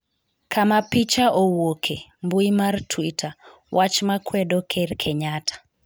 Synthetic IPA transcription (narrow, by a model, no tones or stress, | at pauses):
kamapit͡ʃaʔowokʰembuimartʰwitʰa | wʔat͡ʃmakwɛdokʰerkʰeɲatʰḁ